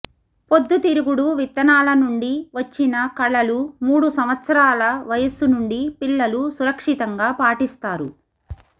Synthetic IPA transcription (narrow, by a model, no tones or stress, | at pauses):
po̞d̪ːut̪iɾuɡuɽuʋit̪ːɐnaːlɐnuɳɖiʋɐt͡ʃːinɐkɐɭːɐlumuːɽusɐmʋɐt̪sɐɾaːlɐʋɐjɐsunuɳɖipiɭːɐlusuɾɐkʂit̪ɐŋɡaːpaːʈist̪aːɾu